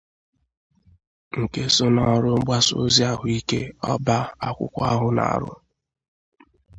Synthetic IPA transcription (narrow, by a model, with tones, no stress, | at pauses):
ŋ̩˨ke˦sʊ˦nɔ˦˨ɾʊ˦ɡ͡ba˦so̰˨zi˦a˨ɦʊ˨i˦ke˦ɔ˦ba˦a˦kʷʊ̰˦kʷa˦ɦʊ˨na̰˨ɾʊ̰˦